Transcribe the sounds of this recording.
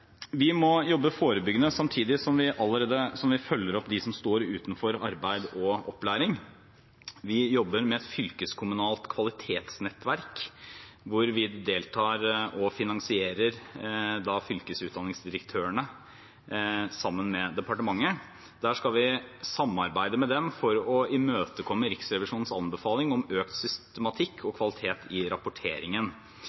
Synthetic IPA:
ʋɪmɔjɔbːəfoːɾəbʏɡːənəsɑmt̪ʰiːd̪ɪsɔmʋɪʔɑlːəɾeːd̪əsɔmʋɪfœlːəɾɔpd̪ɪsɔmst̪oːɾʉ̰ːt̪nfɔɾɑɾbæɪd̪ɔɔplæːɾɪŋ | ʋɪjɔbːəɾmɛɛt̪fʏlkəskʰʊmʉnɑːlt̪kʰʋɑlɪt̪ʰeːt̪snɛt̪ːʋæɾk | ʋʊɾʋɪd̪eːlt̪ʰɑːɾɔfɪnɑŋsɪeːɾəɾd̪ɑfʏlkəsʉːt̪d̪ɑnːɪŋsd̪ɪɾəkt̪ʰøːəɳə | sɑmːənmɛd̪ɛpɑʈəmɑŋːə | d̪æːʂkɑlʋɪsɑmːɑɾbæɪd̪əmɛd̪ɛmfɔɾɔɪmøːt̪əkʰɔmːəɾɪksɾɛʋɪʂuːnn̩sɑ̰nbəfɑːlɪŋɔmøːkt̪sʏst̪ɛmɑt̪ʰɪkʰːɔkʰʋɑlɪt̪ʰeːt̪ʰɪɾɑpʊʈʰeːɾɪŋən

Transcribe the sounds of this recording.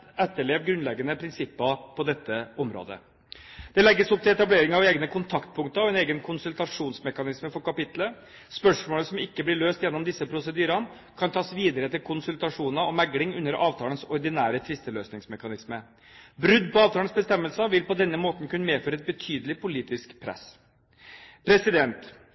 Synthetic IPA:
ɛt̪ːəɭeːʋɡɾʉnlɛɡənəpʰɾɪnsɪpːəpʰɔd̪ɛt̪ːəɔmɾo̰ːd̪ə̰ | d̪̥ɛlɛɡːəsɔp̚t̪ʰɪlɛt̪ɑbleːɾɪŋɑʋeːɡnəkʰʊnt̪ʰɑkt̪̚pʰʊŋkt̪əɾɔɛneːɡənkʰʊnsʉlt̪ɑʂuːnsmɛkɑnɪsməfɔɾkɑpɪt̪lə | spœʂmoːləsɔmɪkːəblɪɭøːst̪jɛnːɔmd̪ɪsːəpʰɾʊsəd̪yːɾɑn | kʰɑnt̪ʰɑːsʋiːd̪əɾəɛt̪ːɪlkʰʊnsʉlt̪ɑʂuːnəɔmæɡlɪŋʉnːəɾɑːʋt̪ʰɑːlənsɔɾd̪ɪnæːɾət̪ʰʋɪst̪əløːsnɪŋsmɛkɑnɪsmə | bɾʉd̪pɔɑːʋt̪ɑlənsbəst̪ɛmːəlsəʋɪlpɔd̪ɛnːəmoːt̪n̩kʉnːəmeːføːɾəɛt̪̚bət̪ʰyːd̪əlɪpʊliːt̪ɪskpʰɾɛ̰sː | pʰɾɛsɪd̪ɛnt̪

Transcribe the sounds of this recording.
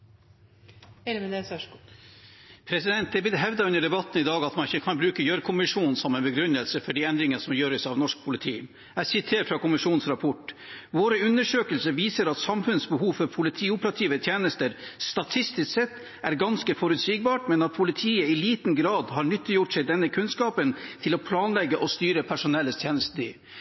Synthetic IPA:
pʰɾɛsɪd̪ɛnt̪̚d̪ɛbɪt̪ːəɦɛʋd̪ɑʉnəɖ̪ɛbɑt̪ːnɪd̪ɑːɡɑt̪mɑnɪçəkʰɑnbɾʉːkəjøːɾəkʰʊmɪʂuːnnsɔmɛnbəɡɾʉnːəlsəfɔɖiɛnd̪ɾɪŋənsɔmjøːɾəsɑʋnɔʂk̚pʰʊlɪt̪ʰḭː | æsɪt̪ʰeːɾfɾɑkʊmɪʂuːnsɾɑpʰɔʈːʋoːɾəʉnːəʂøːkəlsəʋiːsəɾɑt̪sɑmfʉnsbəɦuːʋfɔɾpʰʊlɪt̪ʰiːʊpəɾɑt̪ʰiːʋət̪ʰjeːnəst̪əɾst̪ɑt̪ʰɪst̪ɪst̪sɛt̪ː | æɾɡɑnskəfɔɾʉt̪siːɡ̚bɑːʈmɛnɑt̪̚pʰʊlɪt̪ʰiːəɪliːt̪nɡɾɑːd̪ɦɑɾɳʏt̪ːɪjʊʈsɛɪd̪ɛnːəkʰʉnskɑːpənt̪ʰɪlɔpʰlɑːnlɛɡːəʔɔst̪yːɾəpʰæʂʊnɛlːəst̪ʰjeːnəst̪əɪ̰

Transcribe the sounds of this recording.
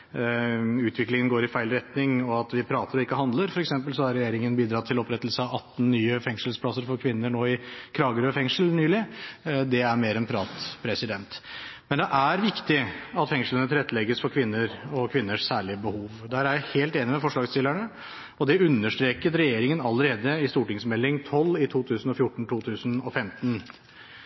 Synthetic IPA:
ʉːt̪ʰʋɪklɪŋənɡoːɾɪfæɪlɾɛt̪nɪŋɔɑt̪ʋɪpʰɾɑːt̪əɾɔɪkːəɦɑnd̪ləɾfɔɾɛksɛmpəlsɔɑɾɛjeːɾɪŋənbiːd̪ɾɑːt̪ʰːɪlɔpɾɛt̪ːəlsəɑɑt̪ːnnyːəfɛŋʂəlspʰlɑsəɾfɔɾkʰʋɪnːəɳoːɪkʰɾɑːɡəɾøfɛŋʂəl̩nyːlɪd̪ɛæɾmeːɾɛnpʰɾɑːt̪pʰɾɛsɪd̪ɛnt̪mɛnd̪ɛʔæɾʋɪkt̪ɪɑt̪fɛŋʂlənət̪ʰɪɾɛt̪ːlɛɡəsfɔɾkʰʋɪnːəɾɔkʰʋɪnːəʂsæːɭɪəbəhuːʋd̪æːɾæɾjæɪheːlt̪eːnɪmɛfɔʂɭɑːɡst̪ɪlːæɳə | ɔd̪ɛʉnːəʂʈɾeːkət̪ɾɛjeːɾɪŋənɑlːəɾeːd̪əɪst̪uːʈɪŋsmɛlːɪŋt̪ʰɔlːɪt̪ʰuːt̪ʰʉːsn̩ɔfjʊʈːɳ̩t̪ʰuːt̪ʰʉːsnɔ̰fɛmt̪n

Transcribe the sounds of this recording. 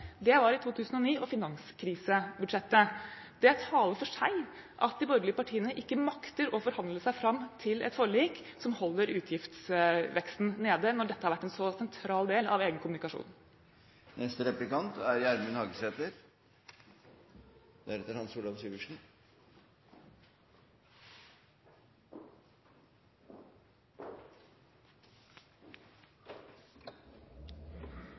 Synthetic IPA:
d̪ɛʋɑɾɪt̪ʰuːt̪ʰʉːsən̩ɔniːʔɔfɪnɑŋskʰɾiːsəbʉd̪ʂɛt̪ːə | d̪̥ɛt̪ʰɑːləɾfɔʂæɪ | ʔɑt̪̚d̪ɪbɔɾɡɭɪəpɑʈʰiːənəʔɪkːəmɑkt̪əɾɔfɔɾhɑnd̪ləʂæɪfɾɑmːt̪ʰɪlʔɛ̰t̪fɔɭiːk | sɔmhɔlːəɾʉːt̪ʰjɪft̪sʋɛkst̪n̩neːd̪ənɔɖɛt̪ːəhɑɾʋæʈːɛnsɔsɛnt̪ʰɾɑːld̪eːlɑ̰ʋeːɡənkʊmʉnɪkɑʂṵːn | nɛst̪əɾɛplɪkɑnt̪æɾjæɾmʉnhɑɡəseːt̪əɾ | d̪̥æɾɛt̪ːəɾhɑnsuːɖ̪ɑmsyːʋəʂɳ̩

